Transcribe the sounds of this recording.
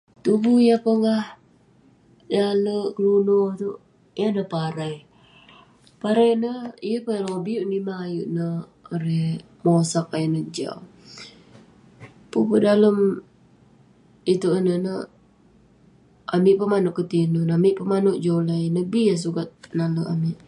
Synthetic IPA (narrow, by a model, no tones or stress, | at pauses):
t̪ubuijəpəŋɡah | daləʔkəlunɔt̪u | janəpaɾaj | paɾajnəijəpəaloŋbiuʔnimaːjuʔnə | oɾɛh | mosak̚ajənəd͡ʒa̰w | pupədaləm | it̪uʔənənə | ʔamiʔpəmanʊʔkət̪inunamiʔpəmanoʔd͡ʒolajnəbias̬ukat̪̚naləʔamiʔ